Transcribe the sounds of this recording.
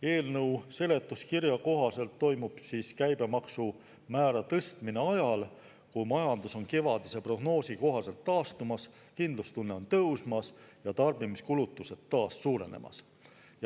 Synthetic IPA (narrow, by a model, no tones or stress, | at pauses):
e̞ːlnɤwse̞le̞t̪ːˑuskirjɑko̞ɦɑse̞lt̪ːo̞jmub̥siːskæjbe̞mɑksu | mæːɾɑt̪ɤst̪mine̞ɑjɑl | kumɑjɑnd̪uso̞nke̞vɑd̪̥ise̞pro̞ɡno̞ːsiko̞ɦɑse̞lt̪ːɑːst̪umɑs | kind̪lust̪unːe̞o̞nt̪ɤwsmɑsjɑt̪ɑrbimiskulut̪ːˑuse̞d̪ːɑːsːuːɾe̞̰ne̞̰mɑ̰s | j